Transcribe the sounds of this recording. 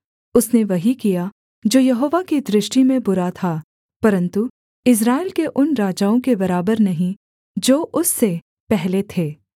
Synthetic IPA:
ʊsneʋɐɦikija | d͡ʒoːjɐɦoːʋakid̪ɾɪʃʈimẽbʊɾat̪ʰaː | pɐɾə̃nt̪u | ɪs̬ɾaːɪlkeʔʊnɾaːd͡ʒaːõkebɐɾaːbəɾnɐɦĩ | d͡ʒoːʔʊsːe | pɛɦlet̪ʰeː

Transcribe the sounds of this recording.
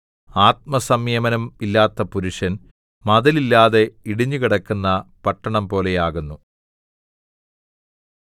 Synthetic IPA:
aːt̪̚mɐsɐmjeːmɐnɐmilːaːt̪ːɐpuɾuʂɐn | mɐðɐlilːaːðe̞iɽiɲːukiɽɐkːunːɐpɐʈːɐɳɐmpo̞ːle̞jaːɣunːu

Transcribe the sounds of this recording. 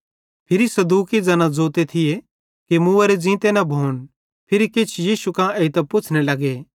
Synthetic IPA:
pʰɪɾisɐd̪uːkid͡zɐnãd͡zoːt̪et̪ʰɪje | kimuɐɾed͡zĩːt̪enɐbʱoːn | pʰɪɾikɪt͡ʃʰjiːsukãeːit̪ɐpʊt͡ʃʰnelɐɡeː

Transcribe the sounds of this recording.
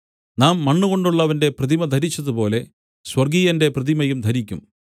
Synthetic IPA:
naːmːɐɳːuɣo̞ɳɖuɭːɐʋɐnde̞prɐðimɐd̪ʱɐɾit͡ɕːɐðupo̞ːle̞ | swɐrɡijɐnde̞prɐðimɐjumd̪ʱɐɾikʲːum

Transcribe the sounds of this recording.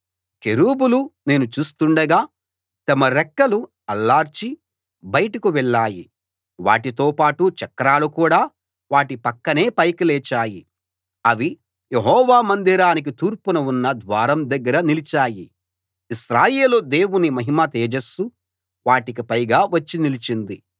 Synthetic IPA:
keɾuːbulune̞ːnut͡ʃuːst̪uɳɖɐɡaː | t̪ɐmɐɾɛkːɐlu | ɐlːaːɾt͡ʃi | bɐjɐʈɐkuʋɛɭːaːjḭ | ʋa̰ːʈit̪o̞ːpaːʈut͡ʃɐkːɐɾaːlukuːɽaː | ʋaːʈipɐkːɐne̞ːpɐjkilɛːt͡ʃaːji | ɐʋi | jeɦɔːʋaːmɐnd̪iɾaːnik̬it̪uːɾpunɐunːɐd̪ʋaːɾɐmd̪ɐɡːɐɾɐnilit͡ʃaːjḭ | isɾaːjeːlod̪e̞ːwunimɐɦimɐt̪eːd͡ʒɐsːu | ʋaːʈikipɐjɡaːʋɐt͡ʃːinilit͡ʃind̪i

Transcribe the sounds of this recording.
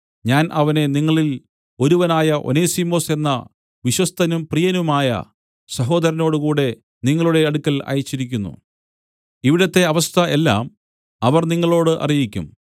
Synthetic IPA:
ɲaːnʔɐʋɐne̞niŋːɐɭil | o̞ɾuʋɐnaːjɐʔo̞̰ne̞ːsimo̞ːse̞nːɐ̰ | ʋiɕwɐst̪ʰɐnumprijɐnumaːjɐ̰ | sɐɦo̞ːd̪ɐɾɐno̞ːɽɨkuːɽe̞ | niŋːɐɭuɽe̞ɐɽukʲːɐlɐ̰ːjɐt͡ɕːiɾikʲːunːṵ | iʋiɽɐt̪ːe̞ɐʋɐst̪ʰɐʔe̞lːa̰ːm | ɐʋɐrniŋːɐɭo̞ːɽɨʔɐ̰rijikʲːṵm

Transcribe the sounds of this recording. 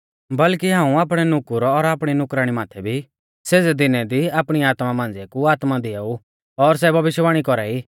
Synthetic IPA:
bɐlkiɦãːũaːpɽ̃ɛnʊkʊɾɔɾaːpɽ̃inʊkɾaːɽ̃imaːt̪ʰɛbʱi | seːd͡zɛd̪ɪnɛd̪iaːpɽ̃iaːt̪mamãːn̆d͡zɛkuaːt̪mad̪ɪaːu | ɔɾs̬ɛbʱɐʋɪʃjʋaːɽ̃ikɔɾaiː

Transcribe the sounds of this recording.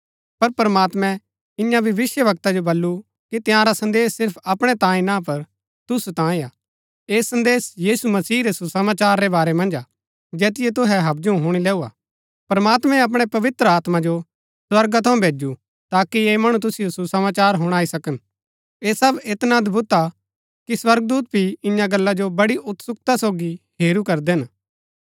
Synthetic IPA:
pɐɾpɾmaːt̪mɛ̃ | ɪ̃jãbʱiʋɪsjəʋɐk̚t̪ad͡ʒobɐlːu | kit̪ɪ̃jãɾasɐ̃nd̪eːsɪɾpʰɐpɽ̃ɛt̪ãːĩnãpɐɾ | t̪ʊsut̪ãːĩaː | eːsɐ̃nd̪eːsjiːsumɐsiːɾesusɐmaːt͡ʃaːɾːebaːɾɛmɐ̃nd͡ʒa | d͡ʒɛːt̪̬ɪjet̪̬ʊɦɛɦɐb̚d͡ʒũɦʊɽ̃ilɛːua̰ː | pɾɐmaːt̪mɛ̃ɐp̬ɽ̃epɐʋɪt̪ɾəaːt̪mãd͡ʒo | swɐɾɡat̪ʰɐũbʱeːd͡ʒu | t̪aːkieːmɐɽ̃ut̪̬ʊsijosusɐmaːt͡ʃaːɾɦʊɽ̃aːisɐkən | eːsɐbɪt̪nãːd̪bʊt̪a | kiswɐɾɡ̚d̪uːt̪̚bʱiɪ̃jãɡɐlːad͡ʒobɐɽiʔʊt̪sʊk̚t̪asoːɡiheːɾukɐɾd̪eɦn

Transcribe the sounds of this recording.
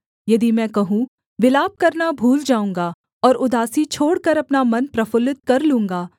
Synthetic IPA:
jɐd̪imɛ̃ːkɐɦũ | ʋɪlaːb̚kɐɾnabʱuːld͡ʒaːũːŋɡa | ɔːɾʊd̪aːsit͡ʃʰoːɽkɐɾɐpnamɐnpɾɐfʊlɪt̪̚kɐɾlũːŋɡaː

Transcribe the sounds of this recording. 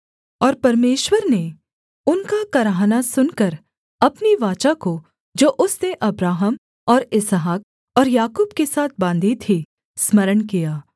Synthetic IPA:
ɔːɾpɐɾmeːʃwəɾne | ʊnkakɐɾaːɦnasʊnkəɾ | ɐpniʋaːt͡ʃako | d͡ʒoːʔʊsneʔɐbɾaːɦəm | ɔːɾɪsɦaːk̚ | ɔːɾjaːkuːbkesaːt̪̚ʰbãːnd̪ʱit̪ʰi | smɐɾənkijaː

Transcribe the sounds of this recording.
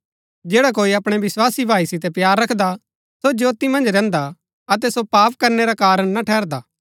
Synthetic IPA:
d͡ʒeːɽak̬oːiɐpɽ̃ɛʋɪswaːsibʱaːisɪt̪ɛpjaːɾːɐkʰd̪a | sod͡ʒjoːt̪imɐ̃nd͡ʒɾɛ̃ːnd̪a | ɐt̪ɛsopaːp̚kɐɾneɾakaːɾəɽ̃naʈʰɛːɾd̪aː

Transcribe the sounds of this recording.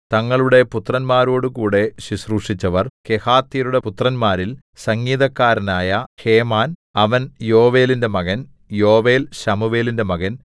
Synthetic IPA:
t̪ɐŋːɐɭuɽe̞put̪rɐnmaːɾo̞ːɽɨkuːɽe̞ɕisruːʂit͡ɕːɐʋɐrke̞haːt̪ːiɾuɽe̞put̪rɐnmaːɾil | sɐŋːiːðɐkːaːɾɐnaːjɐheːmaːnɐʋɐnjo̞ːʋe̞ːlinde̞mɐɣɐn | jo̞ːʋe̞ːlɕɐmuʋe̞ːlinde̞mɐɣɐn

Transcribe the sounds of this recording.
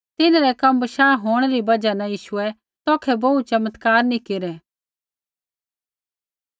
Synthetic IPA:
t̪ɪnɾɛkɐmːʃaːɦoːɽ̃ɾibɐd͡ʒanãjiːʃʊɛ | t̪ɔːkʰɛbɐut͡ʃɐmət̪kaːɾnĩkeɾɛː

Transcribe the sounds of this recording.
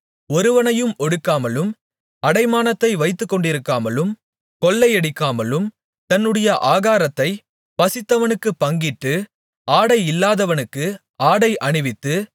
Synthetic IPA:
ɔɾɯʋɐnɐjɯmɔɽɯkːaːmɐlɯm | ɐɽɐɪmaːnɐt̪ːɐɪʋɐɪt̪ːɯkːɔɳɖɪɾɯkːaːmɐlɯm | kɔlːɐɪɛɽɪkːaːmɐlɯm | t̪ɐnːɯɽɐjɐʔaːɣaːɾɐt̪ːɐɪ | pɐsɪt̪ːɐʋɐnɯkːɯpːɐŋɡɪʈːɯ | ʔaːɽɐɪɪlːaːðɐʋɐnɯkːɯ | aːɽɐɪʔɐɳɯʋɪt̪ːɯ

